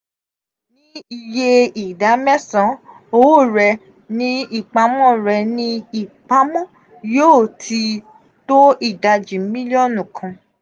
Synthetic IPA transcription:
nĩ˦i˧je˦i˨da˨˦mɛ˦sã˨˦ | o˦wo˦˨ɾɛ˧ | nĩ˦i˦˨k͡pa˨˦mɔ̃˦ɾɛ˧nĩ˦i˦˨k͡pa˨˦mɔ̃˦˨ | joː˦˨tʰi˧ | to˦i˦˨da˧d͡ʒĩ˨˦mĩ˦li˦ɔ̃˦˨nũ˨kʰã˧

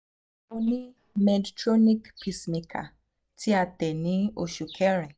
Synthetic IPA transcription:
o˧nĩ˦ | mɛ˧di˨tɾo˦nĩ˦kpʰi˦smĩ˨kʰa̰˨ | ti˦a˧tɛ˨nĩ˨˦o˦˨ʃu˨kʰɛ˦ɾɛ˨

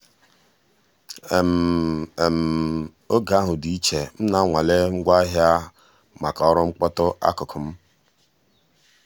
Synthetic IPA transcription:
m˨e˨m̩˨ | o˦ɡa˨˦ɦʊ˨di˨i˦t͡ʃe˨m̩˦na˨˦ŋʷa˨le˦ŋ̩˦ɡʷa˦ɦja˦ | ma˨ka˨ɔ˦ɾʊ˦ŋ͡m̩˦k͡pɔ˦tʊ˦ʔa̰˦kʊ˨kʰʊ˨m̩˦

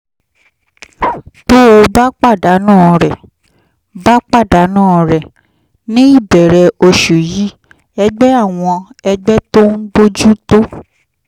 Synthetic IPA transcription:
to˦o˧ba˦k͡pa˦˨da˨˦nãː˦˨ɾɛ˨ | ba˦k͡pa˦˨da˨˦nãː˦˨ɾɛ˨ | nĩ˦i˦˨bɛ˨ɾɛ˧o˧ʃu˨ji˦ | ɛ˧ɡ͡bɛ˦a˦˨w̃ɔ̃˧ɛ˧ɡ͡bɛ˦to˦n̩˦bo˦d͡ʒu˦to˦

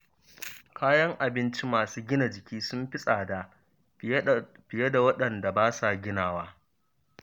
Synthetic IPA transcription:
kʰaː˦jɐ˦ŋʔa˨bɪ˦nt͡ʃi˦maː˨suː˦ɡʲɪ˦na˨d͡ʒɪ˨kʲiː˦sʊ˦mɸɪ˦sʼaː˨da˨ | ɸɪ˨je˦da˨wɐ˦ɗɐ˨nda˨baː˦sa˨ɡʲɪ˦naː˨waː˦

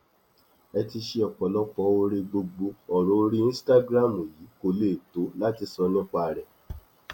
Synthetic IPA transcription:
ɛ˧ti˧ʃe˧ɔ˨k͡pɔ˨lɔ˦k͡pɔ˧˦o˧ɾe˧ɡ͡bo˧ɡ͡bo˧ɔ˨ɾõ˨˦ɾi˦ĩ˦sta˦ɡɾa˦˨mo˨ji˨˦ko˧le˦˨to˨˦la˦ti˧sɔ˧nã˦k͡pa˧˨ɾɛ˨

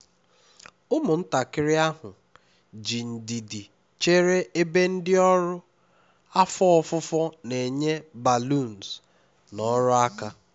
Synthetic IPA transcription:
ʊ˦mʊ˨n̩˦ta˨kɪ˦ɾɪ˦a˦ɦʊ˨ | d͡ʒi˨n̩˨di˨di˨ | t͡ʃe˦ɾe˦ʔe˦be˦n̩˦dɪ˦ɔ˦ɾʊ˦ | a˦fɔ˦ɔ˦fʊ˦fɔ˦ne˨ɲe˦ba˨lu˦˨n̩˨s | nɔ˦ɾʊ˦a˦ka˦

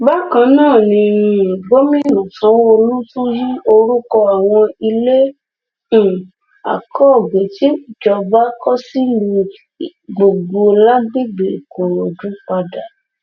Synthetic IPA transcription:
ba˦kã˧nãː˦˨nĩ˧˨ɡ͡bo˦mĩ˦˨nũ˨sã˨˦wo˦o˧lu˦tũ˦ji˦o˧ɾu˦kɔ˧a˨w̃ɔ̃˧i˧lẽ˦˨ | a̰˨kʰɔ˦˨ɡ͡be˨ti˨˦˨d͡ʒɔ˧ba˦kɔ˦si˦nũ˧˨ | ɡ͡bo˨ɡ͡bo˧la˦ɡ͡bi˦ɡ͡be˨ko˨ɾo˨dũ˨˦k͡pa˧da˨

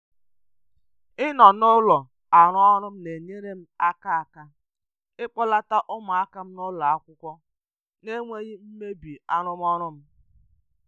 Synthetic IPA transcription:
ɪ˦nɔ˨nʊ˦lɔ˨ | a˨ɾʊ˦ɔ˦ɾʊ˦m̩˦ne˨ɲe˦ɾe˦m̩˦a˦ka˦a˨ka˦ | ɪ˦k͡pɔ˦la˦ta˦ʔʊ˦ma˨a˦ka˦m̩˦nʊ˦lɔ˨a˦kʷʊ˦kʷɔ˦ | ne˦ŋʷe˦ɣi˦m̩˦me˦bi˨a˦ɾʊ˦m˦ɔ˦ɾʊ˦m̩˦

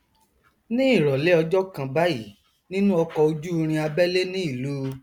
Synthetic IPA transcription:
nĩ˦i˦˨ɾɔ˨le˦ɔ˧d͡ʒɔ˦kã˧ba˦ji˦˨ | nĩ˦nũ˦ɔ˧kɔ˧o˧d͡ʒu˦˧ɾ̃ĩ˧a˧bɛ˦le˦nĩ˦i˦˨lu˦˧

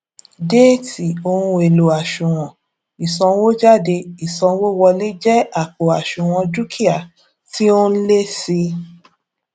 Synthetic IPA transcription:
de˦˨ti˨o˧ũ˧e˨lo˨a˨ʃũ˨w̃ɔ̃˨ | i˨sɔ̃˧wo˦d͡ʒa˦˨de˧i˨sɔ̃˧wo˦wɔ˧li˦d͡ʒɛ˦a˦˨k͡po˨a˨ʃũ˨w̃ɔ̃˧d͡ʒu˦kʰi˦a˨ | ti˦o˦n̩˦le˦si˧

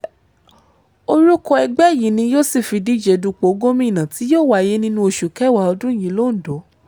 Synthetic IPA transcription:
o˧ɾu˦kɔ˧ɛ˧ɡ͡bɛ˦˨ji˨˦nĩ˧joː˦˨si˦˨fi˧di˦˨d͡ʒɛ˨˦du˧k͡po˨˦ɡo˦mĩ˦˨nã˨ti˨˦joː˦˨wa˦˨je˦nĩ˦nũ˧o˧ʃu˨kɛ˦˨wa˨ɔ˧dũ˦˨jĩ˨˦lo˦n̩˨do˨˦

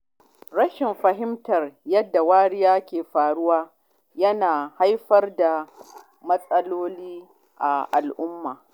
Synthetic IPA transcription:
ɽɐ˦ʃɪ˨mɸɐ˨ɦɪ˦mtɐ˨rjɐ˦dːa˨waː˦ɽɪ˦jaː˦kʲeː˨ɸaː˨ɽʊ˦waː˦ | jɐ˦naː˨ha˦jɸɐ˦rda˨ | mɐ˦sʼɐ˦loː˦liː˦ | ʔa˨ʔa˨lʔʊ˦mːaː˨

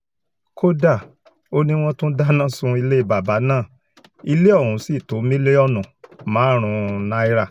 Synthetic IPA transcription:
ko˦da˦˨ | o˦nĩ˦w̃ɔ̃˦tũ˦da˦nã˦sũ˧i˧le˦i˧ba˨ba˨˦nãː˦˨ | i˧le˦ɔ˦˨ũ˨˦si˦˨to˨˦mĩ˦le˦ɔ˦˨nũ˨mãː˨˦ɾ̃ũ˨˧nã˦i˦ɾa˧˨

